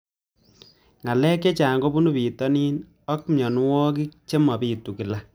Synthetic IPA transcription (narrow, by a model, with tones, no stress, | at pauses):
ŋa˨lɛː˦kːe˦t͡ʃaː˨ŋɡo˦bu˦nu˦piː˨tɔ˦niː˦n | ɔ˦k̚mjɔ˨n˦wɔ˦k̬i˦k̚t͡ʃe˦mɔ˨piː˨tu˨ki˨la˦˨